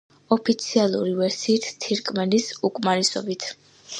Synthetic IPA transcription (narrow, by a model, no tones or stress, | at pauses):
ɔpʰit̪sʰialˠuɾivɛɾsiːt̪ʰt̪ʰiɾkʼmɛnisukʼmaɾisɔ̰bit̪ʰ